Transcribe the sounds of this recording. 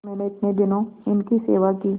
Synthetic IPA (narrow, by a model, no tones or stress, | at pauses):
mɛːneɪt̪ned̪ɪnõɪnkisḛːʋakiː